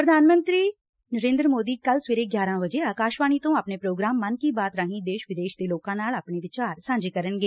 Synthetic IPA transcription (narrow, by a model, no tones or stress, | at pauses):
pɾəd̪ʱaːnmə̃nt̪ɾiː | nəɾẽːnd̪ɾəmoːd̪iːkəlsʋeːɾeːɡjaːɾãːʋəd͡ʒeːaːkaːʃʋaːñiːt̪õːaːpneːpɾoːɡɾaːmːənkiːbaːt̪ɾaːɦĩːd̪eːʃʋɪd̪eːʃd̪eːloːkãːnaːlaːpɳeːʋɪt͡ʃaːɾsãːɲd͡ʒeːkəɾənɡeː